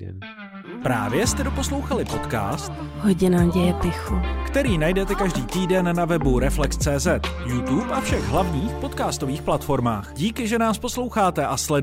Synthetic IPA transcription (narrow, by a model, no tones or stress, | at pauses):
pɾaːvjɛst̪ɛdo̞po̞slo̞wxalɪpo̞t̪ka̰ːst̪ɦoɟɪnaɟɛjɛpɪxukt̪ɛɾiːnajdɛt̪ɛkaʒdiːt̪iːdɛnːavɛbuɾɛflɛkst͡sɛːzɛt̪jut̪upʔafʃɛɣɦlavɲiːxpo̞t̪kaːst̪oviːxplat̪fo̞ɾma̰ːxɟiːkɪʒɛnaːsposlo̞wxaːt̪ɛʔaslɛd